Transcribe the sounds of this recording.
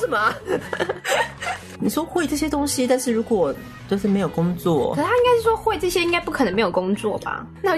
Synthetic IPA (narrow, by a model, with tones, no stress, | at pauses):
ʂ̩˥˩mɐ˨˩ | ni˨˩ʂwɔ˥xwe˥˧ɪʈ͡ʂɤ˥˩ɕjɛ˥t̪ʊ˥ŋɕi˦t̪nʂɻ̩˥˩ɻu˧˥kwɔ˨˩ | t͡ɕo˥˧ʂɻ̩˥˩me˧˥ɪjo˨˩ʊkʊ˥ŋt͡swɔ̰˥˩ə˩ə˧˦a˥ĩ˥ŋka˥ɪʂɻ̩˥˩ʂwɔ˥xwe˥˧ɪʈ͡ʂɤ˥˩ɕjɛ˥i˥ŋka˥ɪpu˥kʰə˨˩nə˦ŋme˧˥ɪjo˨˩kʊ˥ŋt͡swɔ̰˥˩bɐ̰˩ | na˥˩